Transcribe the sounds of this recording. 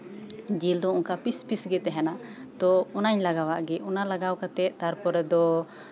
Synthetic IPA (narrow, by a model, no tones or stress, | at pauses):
d͡ʒild̪ɔunkapispisɡɛt̪ɛɦɛnat̪ɔɔnaɲlaɡawaʔɡɛunalaɡawkat̪ɛʔ̚t̪aɾpɔɾɛd̪ɔ